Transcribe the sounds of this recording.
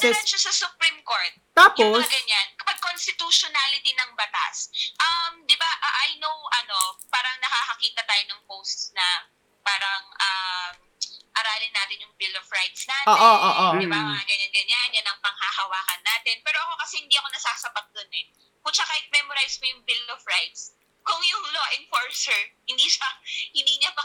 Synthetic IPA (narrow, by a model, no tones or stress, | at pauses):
ɛt͡ʃosɐsʊpɾimko̞ɹt̪̚t̪aːpːosɐɡɐɲːankɐpaɡ̚konst̪ɪt̪uʃonaːlɪt̪ɪnɐŋbɐt̪a̰sʔɐmd̪ɪbaʔaʔajnowʔɐno̞paːɾɐŋnɐkaːkɐkiːt̪ɐt̪aːjonɐŋpowst̪snɐ | paːɾɐŋʔɐm | ʔɐɾaːlɪnaːt̪ɪnjʊŋbɪlovɹajt̪snaːt̪oːʔoʔoːʔod̪ɪbamɐaɡɐɲanɡɐɲanjɐnɐŋpɐŋhahɐwaːkɐnːaːt̪ɛnpɛːɾoɐko̞kɐsɛhɪnd̪iːʔɐko̞nɐsaːsɐpɐt̪̚d̪onɛ | kʊt͡ʃɐkaɪk̚mɛmoɾajskojʊŋbɪlovɹajt̪s | kʊŋjʊŋloːʔɛnfoɹsɛɹhɪnd̪iːʃɐhɪnd̪iːɲɐmɐ